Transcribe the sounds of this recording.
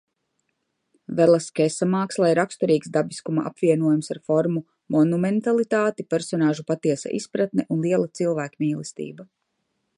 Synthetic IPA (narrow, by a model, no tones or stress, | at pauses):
vɛlˠaskɛsamaːkslˠajɾakst̪ɔɾiːksd̪abiskumaʔa̰pviɛnuɔjumsaɾfɔɾmu | mɔnumɛnt̪alˠit̪aːt̪ipɛɾsɔnaːʒupat̪iɛsa̰ʔḭspɾat̪nɛʔunlˠiɛlˠat̪silˠvæːkmiːlˠɛst̪ḭːba